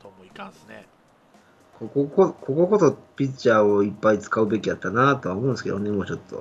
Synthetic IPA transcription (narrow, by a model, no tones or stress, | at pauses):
a | kokokoko̞ko̞ko̞so̞pʲit͡ɕːaːoipːait͡sɨ̥kaɯ̟be̞kʲiat̪ːanat̪o̞βaomõːnsɨ̥ked̪one̞mo̞ːt͡ɕo̞t̪ːo̞̰